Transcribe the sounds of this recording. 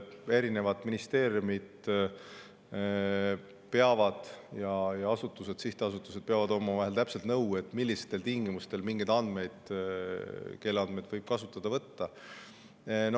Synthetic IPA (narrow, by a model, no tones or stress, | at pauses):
e̞ɾine̞vɑd̪minist̪e̞ːɾjumid̪̥ | pe̞ɑvɑd̪̥jɑjɑɑsut̪ːˑuse̞d̪̥siht̪eɑsut̪ːˑu̥se̥peɑvɑd̪o̞mɑvɑɦelt̪æpse̞lt̪nɤwe̞t̪ːˑmilʲːist̪ːe̞lt̪iŋɡimust̪e̞lmiŋɡejd̪ɑnd̪̥me̞jd̪̥ | ke̞lːeɑnd̪me̞jd̪vɤjb̥̚kɑsut̪ːˑɑd̪̥ɑvɤt̪ːɑ | no